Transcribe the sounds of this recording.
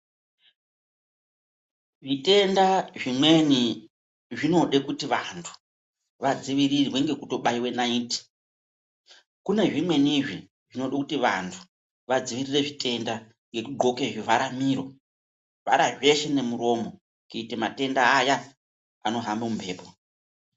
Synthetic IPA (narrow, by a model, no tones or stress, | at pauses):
ʐite̞ndaʐimwe̞ni | ʐino̞ɗekutiʋantʰu̥ | ʋad͡ziʋirirwe̞ŋɡe̞kuto̞ɓaiwe̞naiːti̥ | kune̞ʐimwe̞niʐi | ʐino̞ɗakutiʋa̰ntʰu̥ | ʋad͡ziʋirire̞ʐite̞nda | ŋɡe̞kuɡʱo̞keʐivaɾamiːɾo̞ | ʋa̰ɾaʐe̞ʃene̞muɾo̞mo | kuitemate̞ndaːja | ano̞ɦambemumbʱe̞ːpo